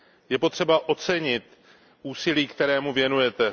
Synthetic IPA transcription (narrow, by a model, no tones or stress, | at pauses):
jɛpo̞t̪r̝̥ɛbaʔo̞t͡sɛɲɪt̪ | ʔuːsɪliːkt̪ɛɾɛːmuvjɛnujɛt̪ɛ